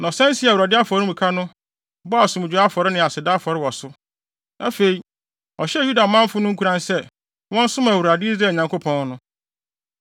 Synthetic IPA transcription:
nɔ˨sɛ̃˦n˦si˦a˨u˨ɾa˨dɪ˦a˦fɔ˨ɾɪ˦mũ˨kʰa˦nʊ̃˦ | bɔ˦a˨sʊ̃˨m˨d͡ʑᶣu˨a˦fɔ˨ɾɪ˦nɪ̃˨a˨sɪ˨da˦fɔ˨ɾɪ˦wɔ˨sʊ˦ | nʔa˦fe˨i˨ | ɔ˨ɕɛ˦˨ju˦da˨mã˦m˦fʊ˦nʊ̃˦ŋ̩˦kʰu˦ɾã˦nsɛ˦ | wɔ̃˦n˦sʊ˦mã˨wu˨ɾa˨dɪ˦i˦zɾa˨ɲã˨ŋko˦pʰɔ̃˦n˦nʊ̃˦

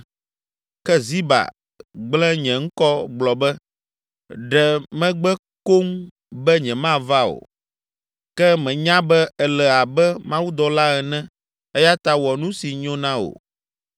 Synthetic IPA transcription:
kɛ˦zi˦ba̰˨ | ɡ͡blɛ̃˦ɲɛ̃˨ŋ̩˦kɔ˦ɡ͡blɔ˨bɛ˦ | ɖɛ˨mɛ̃˦ɡ͡bɛ˦ | ko˦ŋ | bɛ˦ɲɛ̃˨mã˦va˦o̰˨ | kɛ˦mɛ̃˨ɲã˦bɛ˦ɛ˨lɛ˨a˨bɛ˦mã˦wu˦d̪ɔ˨la˦ɛ˨nɛ̃˦ | ɛ˦ja˦t̪a˦wɔ˨nũ˦si˨ɲɔ̃˦nã˦o̰˨

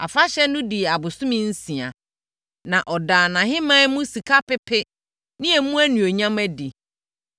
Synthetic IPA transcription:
a̰˨fa˦ɕɛ˦nʊ̃˦di˨a˨bʊ˨sʊ̃˦mɪ̃˦n̩˦sĩ˨a˨ | nã˨ʔɔ˨daː˨nã˨ɦɪ˦mã˦mũ˦si˨kʰa˦pɪ˦pʰɪ˦ | nɪ̃˦ɛ˨˦mũ˦æ˦nũ˨o˨ɲã˦mæ˦di˨

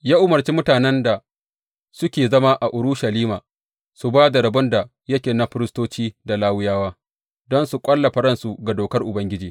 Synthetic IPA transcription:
jaː˦ʔʊ˦mɐ˨rt͡ʃiː˦mʊ˦taː˨nɛ˦nda˨ | sʊ˦kʲeː˨zɐ˦ma˦ʔa˨ʔʊ˨ɾʊ˦ʃa˨liː˦maː˨ | su˨baː˦da˨ɾɐ˨bʊ˦nda˨ | jɐ˦kʲeː˨na˦ɸɪ˦ɾɪ˦stoː˦t͡ʃiː˦da˨laː˦wɪ˦jaː˦waː˦ | dɔ˦nsu˨kʷʼɐ˦lːɐ˨ɸɐ˦ɾɐ˦˨nsu˨ɡa˨doː˨kɐ˦rʔʊ˨bɐ˦ŋɡʲɪ˦d͡ʒiː˨

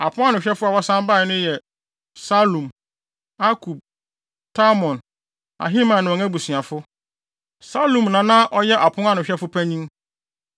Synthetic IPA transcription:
a˨pʰʊ̃˦a˦nʊ̃˨ɕᶣɛ˦fʊ˦a˨wɔ˦sã˦m˦ba˦˨˦nʊ̃˦jɛ˨ | sa˦lũ˨m | a˦kʰu˨b̚ | tʰa˦mɔ̃˨n | a̰˨ɦi˦mã˨nʊ̃˨ɔ˨ŋɛ̃˦bu˨sɥa˨fʊ˦ | sa˦lũ˨mnã˨˦nã˦ʔɔ˦jɛ˦ʔa˨pʰʊ̃˦ŋ˦a˦nʊ̃˨ɕᶣɛ˦fʊ˦pʰæ˦ɲĩ˦ŋ

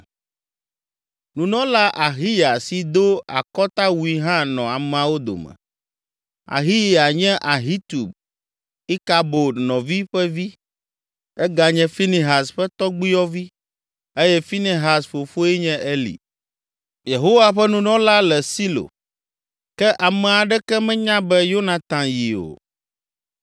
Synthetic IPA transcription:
nũ˨nɔ̃˦la˦ʔa˨ɦi˦ja˨si˨d̪o˦a̰˨kɔ˦t̪a˦wu˨i˨ɦã˦nɔ̃˨a˨m˦ã˦wo˦d̪o̰˨mɛ̰̃˨ | a̰˨ɦi˦ji˦a˨ɲɛ̃˦ʔa˨ɦi˦t̪u˨b̚ | i˦ka˨bo˨nɔ̃˨vi˦ɸɛ˦vi˦ | ɛ˦ɡa˨ɲɛ̃˦fi˦ni˨ɦa˨sɸɛ˦t̪ɔ˦ɡ͡bi˦jɔ˦vi˦ | e˦jɛ˦fi˦ni˨ɦa˨sɸo˨fo˦ɛ˦ɲɛ̃˦ʔɛ˦lḭ˨ | je˨ɦo˦wa˨ɸɛ˦nũ˦nɔ̃˦la˦lɛ˨si˦lo̰˨ | kɛ˦ʔa˨mɛ˨a˨ɖɛ˦kɛ˦mɛ̃˦ɲã˦bɛ˦jo˦na˨t̪ã˨ji˨o̰˨

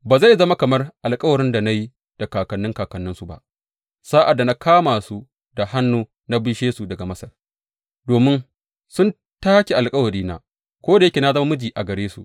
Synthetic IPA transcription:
baː˨za˦˨jzɐ˦ma˦kɐ˨mɐ˦rʔa˨lkʼɐ˦wɐ˨ɾɪ˦nda˨na˦ji˦ | d̥a˨kaː˨kɐ˨nːɪ˦ŋkaː˨kɐ˨nːɪ˦nsu˨ba̰˦ʔ | saː˦ʔa˨dːa˨na˦kʰaː˦maː˨su˦ | da˨ha˦nːuː˦ | na˦biː˦ʃeː˦su˨dɐ˨ɡa˨mɐ˦sɐ˨r | doː˨mɪ˦n | sʊ˦n | taː˦kʲe˨ʔa˨lkʼɐ˦wɐ˨ɾiː˦na̰ː˦ | kʷoː˦da˨jɐ˦kʲe˨na˦zɐ˦ma˦mʊ˦d͡ʒiː˨ʔa˨ɡɐ˨ɽeː˦sṵ˨

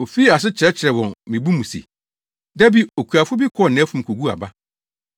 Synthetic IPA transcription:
o˨fiː˦a˨s̬ɪ˦t͡ɕʰɪ˨ɾɛ˦t͡ɕʰɪ˨ɾɛ˨wɔ̃˨nmĩ˨bu˦mũ˨sḛ˨ | dæ˦bi˨o˨kʰu˨a˨fʊ˦bi˦kʰɔ˦˨nã˨˦fũ˨m˨kʰo˨ɡu˦a̰˨ba˦

